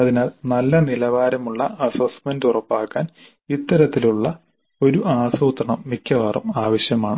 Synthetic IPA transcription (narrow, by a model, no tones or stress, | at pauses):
ɐðinaːlnɐlːɐnilɐʋaːɾɐmuɭːɐɐsɐsmendurɐpːaːkːaːn | it̪ːɐɾɐt̪ːiluɭːɐ | o̞ɾuʔaːsuːt̪rɐɳɐmːikʲːɐʋɐrɐ̰maːʋɐɕjɐmaːɳɨ